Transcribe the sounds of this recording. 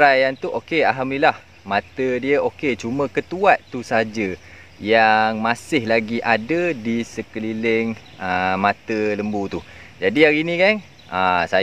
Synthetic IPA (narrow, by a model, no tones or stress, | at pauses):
ɾajant̪uʔokeaɦamnilah | mãt̪ədiəʔoket͡ʃumə̃kət̪uaʔ̪t̪ːusəɦad͡ʒə | jaŋmasɪhlaɡiʔadədisəkəlilɪŋ | əmat̪ələmbut̪u | d͡ʒadiaɾinĩkan | əsa